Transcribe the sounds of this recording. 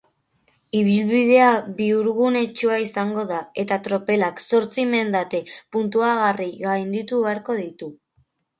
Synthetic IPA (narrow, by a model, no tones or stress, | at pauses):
iβ̞ilβið̞e̞aβiuɾɣune̞t͡ʃuaisaŋɡo̞ðae̞t̪at̪ɾo̞pe̞lakso̞ɾt͡sime̞nd̪at̪e̞punt̪uaɣ̞ariɣajnd̪it̪uβe̞aɾko̞ðit̪u